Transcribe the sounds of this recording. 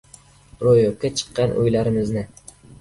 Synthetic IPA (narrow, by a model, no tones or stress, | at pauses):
ɾojop̚kʰʲːat͡ʃʰɨ̥qːɑnʔʊ̰jlaɾɪmɪznɪ